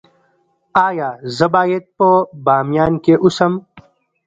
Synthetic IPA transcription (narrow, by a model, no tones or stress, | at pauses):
aːjaːzɐbaːjet̪̚poːbaːmjaːnkeʔʊsɐm